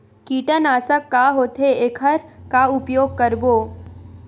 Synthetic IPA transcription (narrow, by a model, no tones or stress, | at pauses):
kiːʈənaːsəkːaɦoːt̪ʰeeːkʰəɾkaʊpjoːɡ̚kəɾboː